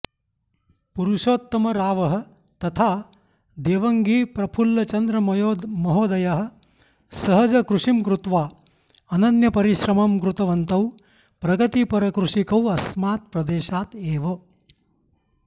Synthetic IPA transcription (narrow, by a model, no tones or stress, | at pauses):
puɾuʃoːt̪ːɐmɐɾaːʋɐɦɐ̆ | t̪ɐt̪ʰaː | d̪eːʋɐŋɡiːpɾɐpʰulːɐt͡ʃɐnd̪ɾɐmɐjoːd̪mɐɦoːd̪ɐjɐɦɐ̆ | sɐɦɐd͡ʒɐkɾuʂimkɾut̪ʋaː | ɐnɐnjɐpɐɾiʃɾɐmɐmkɾut̪ɐʋɐnt̪ɐw | pɾɐɡɐt̪ipɐɾɐkɾuʂikɐwɐsmaːt̪̚pɾɐd̪eːʃaːt̪eːʋɐ